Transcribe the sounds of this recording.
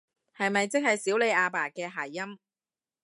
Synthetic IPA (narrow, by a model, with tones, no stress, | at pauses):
hɐ˨jmɐ˨jt͡sɪ˥k̚hɐ˨jsiː˨˥wle˨˧jʔaː˧paː˨˩kɛː˧ɦaː˨˩jːɐ˥m